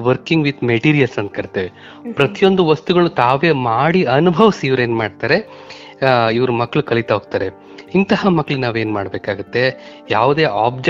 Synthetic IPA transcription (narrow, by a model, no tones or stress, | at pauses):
ʋɐɾkiŋɡʋid̪meʈiːɾijɐlsɐnt̪̚kɐɾt̪ːeʋe | pɾɐt̪ijo̞nd̪uʋɐst̪uɡɐɭut̪aːʋe̞ːmaːɽiɐnubʱɐʋɐsiʋɐɾe̞ːnmaːɖt̪aːɾe̞ | iʋɐɾumɐkːɐɭukɐlit̪ɐɦoɡ̚t̪aːɾe̞ | int̪ɐɦamɐkːɭinaːʋeːnmaːɽbeːkaːɡut̪ːe̞jaːʋud̪e̞ːʔaːb̚d͡ʒe